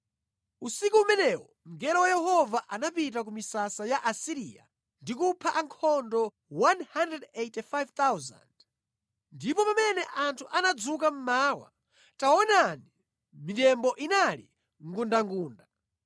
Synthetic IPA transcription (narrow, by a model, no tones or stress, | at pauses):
usikuːmɛnɛwɔ | m̩ɡɛɾɔwajɛɦɔvaʔanapitak̬umisasajaʔasiɾiːja̰ | ndikupʰaʔaŋkʰɔndɔ | wanhandɾɛdetifajvt̪awza̰nd | ndipɔpamɛnɛʔantʰuʔanad͡zukam̩maːwa̰ | tawɔnani | mitɛmbɔʔinalḭ | ŋɡundaŋɡuːnda